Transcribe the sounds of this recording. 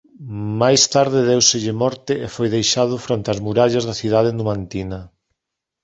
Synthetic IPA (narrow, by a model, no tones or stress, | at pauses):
majst̪aɾðɪðewseʎɪmɔɾt̪ɪefojðejʃaðʊfɾont̪eazmuɾaʎɐzðɐθiðað̞ɪnumant̪inɐ